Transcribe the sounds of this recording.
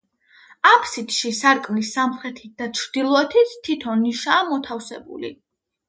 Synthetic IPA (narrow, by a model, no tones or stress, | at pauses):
apʰsit̪ʃisaɾkʼmlisːamχɾɛt̪ʰit̪̚d̪at͡ʃʰɾd̪ilˠɔɛt̪ʰit̪t̪ʰːit̪ʰɔnːiʃaːmɔt̪ʰafsɛ̰bṵlḭ